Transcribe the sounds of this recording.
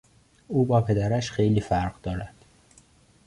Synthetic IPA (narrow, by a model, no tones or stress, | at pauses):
uːbɒːpʰe̞d̪æɾæʃxejliːfæɾɢd̪ɒːɾæd̪̥